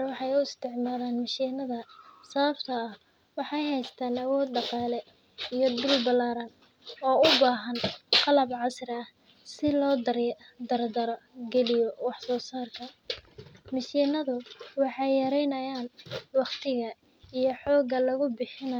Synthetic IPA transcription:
wɑħɑjʊɪst̪ʰɪʕmaːðaːnmɪʃiːnɐðɐsɐβɐbt̪ʰɐːh | wɑħɑjɦɛjst̪ʰaːnɐwɔːd̪ɖɑqɑːlɛ | ijɔd̪ʊlbɐlaːɾɐn | ɔːʊbaːɦɐnqɑlɐbʕɑsrɐh | sɪlɔːd̪ɐɾ | d̪ɐrd̪ɐɾɔɡɛlɪjɔwɑħsɔːsaːrkʰɐ | mɪʃiːnɐðʊwɑħɑjjɐɾɛjnɐjaːnwɑχt̪ʰɪɣɐ | ijɔħɔːɡɐlɐɣʊbɪħɪnɐ

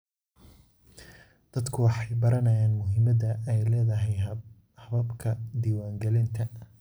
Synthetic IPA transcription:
d̪̥ɐd̪kʰʊwɑħɑjbɐɾɐnɐjaːnmʊɦɪmɐd̪ɐɛjlɛːðɐɦɛj | hɐβɐbkʰɐd̪iːwaːŋɡɛlɪnt̪ʰɐ

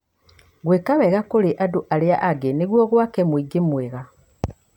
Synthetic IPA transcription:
ɣweːkaβɛɣakoɾeʔadoʔaɾeaʔaɡeneɣwɔɣwakɛmwiɡemweɣa

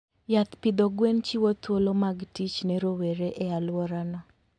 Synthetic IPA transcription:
jat̪pɪd̪ɔɡwent͡ʃiwɔt̪wolomaɡtit͡ʃnɛɾoweɾeʔɛalwɔɾanɔ

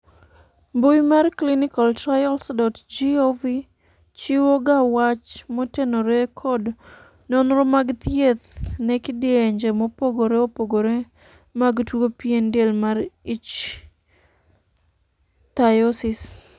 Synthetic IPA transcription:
bujmarklinikaltajɔlsdɔtd͡ʒiovi | t͡ʃiwoɡawat͡ʃmɔtenoɾekʰɔd | nɔnɾɔmaɡt̪jet̪nɛkidɪeɲd͡ʒemɔpoɡoɾeopoɡoɾe | maɡtwopiendelmarit͡ʃ | t̪ajɔsis

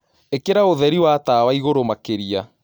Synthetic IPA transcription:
ekeɾaoðɛɾiwataːwaiɣoɾomakeɾia

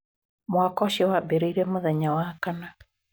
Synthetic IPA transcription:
mwakɔʃɛwabeɾeiɾɛmoðɛɲawakana

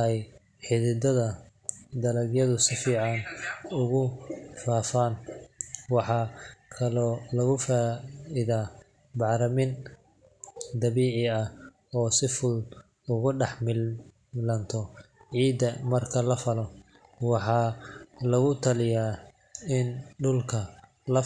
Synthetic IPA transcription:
ɛj | ħɪðɪd̪ɐðɐ | d̪ɐlɐɡjɐðʊsɪfiːʕɑnʊɣʊfaːfan | wɑħɑːkʰɐlɔːlɐɣʊfaːɪðaː | bɑʕɾɐmɪn | d̪ɐβiːʕɪɐh | ɔːsɪfʊl | ʊɣʊɖɑħmɪ | lɐnt̪ʰɔʕiːd̪ɐmɐrkʰɐlɐfɐlɔ | wɑħɑːlɐɣʊt̪ʰɐlɪjaː | ɪnɖʊlkʰɐ | lɐ

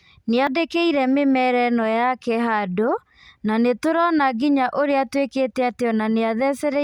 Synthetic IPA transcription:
neadekeiɾɛmemɛɾɛnɔjakɛɦado | nanetoɾɔnaɡiɲaʔoɾeatweketɛateɔnaneaðɛsɛɾɛ

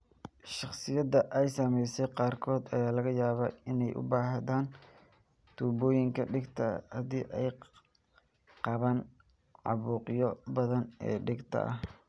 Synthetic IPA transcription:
ʃɑχsɪjɐðɐʔɛjsɐmɛjsɛjqɑːrkʰɔːd̪ɐjaːlɐɣɐjaːβɐɪnɛjʔʊ̰baːɦɐðaːn | t̪ʰuːbɔːjɪŋkʰɐɖɪɡt̪ʰɐhɐd̪ḭːʔɛj | qɑβaːn | ʕɑ̰βuːqjɔbɐðɐnɛ̰ːɖɪɡt̪ʰɐ̰ʔɐ̰h

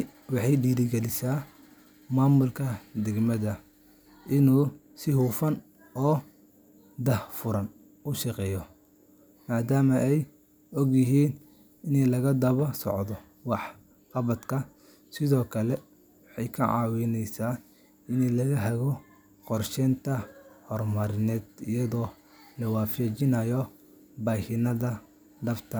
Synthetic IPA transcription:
wɑħɑjɖiːɾɪɡɛlɪsaː | maːmʊlkʰɐd̪ɛɡmɐðɐ | ʔɪnuː | sɪhuːfɐn | ʔɔː | d̪ɐhfʊɾɐn | ʊʃɑqɛːjɔ | maːd̪aːmɐʔɛj | ɔɡjɪɦiːn | ɪnɛlɐɣɐd̪ɐβɐsɔ̰ʕd̪ɔ | wɑħ | qɑβɐd̪kʰɐ | sɪðɔːkʰɐlɛ | wɑħɑjkʰɐʕɑ̰ːwɪnɛjsaː | ɪnɛlɐɣɐɦɛɣɔ | qɔrʃɛnt̪ʰɐhɔrmɐɾɪnɛːd̪ijɐðɔː | lɐwɑːfɛːt͡ʃɪnɐjɔ | baːhɪnɐðɐ | d̪ɐft̪ʰɐ

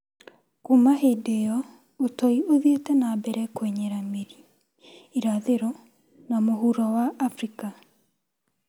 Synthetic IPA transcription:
komaɦedejɔ | otɔioðietɛnabɛɾɛkweɲɛɾameɾi | iɾaðeɾɔ | namoɦuɾɔwaʔːfɾika

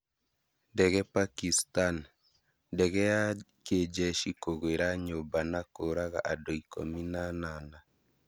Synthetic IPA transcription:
dɛɣɛpakistan | dɛɣɛa | ked͡ʒɛʃikoɣweɾaɲobanakoɾaɣa̰ʔadoiko̰minanana

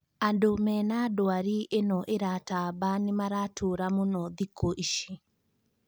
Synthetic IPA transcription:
adomɛnadoaɾiʔenɔʔeɾatabanemaɾatʰoɾamonɔðikoʔiʃi

